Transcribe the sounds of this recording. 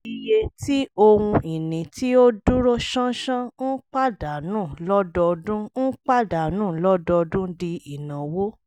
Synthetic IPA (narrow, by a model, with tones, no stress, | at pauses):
i˨je˧ti˦o˧wũ˧i˨nĩ˨ti˦o˦du˦ɾo˦ʃã˦ʃã˦n̩˦k͡pa˦˨da˨nũ˦˨lɔ˦dɔ˧dũ˦n̩˦k͡pa˦˨da˨nũː˦˨lɔ˦dɔ˧dũ˦di˧i˨nã˨wo˦